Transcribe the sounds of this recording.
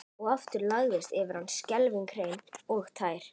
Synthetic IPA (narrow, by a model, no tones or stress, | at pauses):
ɔɣaft̪ʏɾlaɣðɪst̪ɛvɪɾ̥hanːscɛlviŋkʰɾejnɔɣt̪ʰaːjɾ̥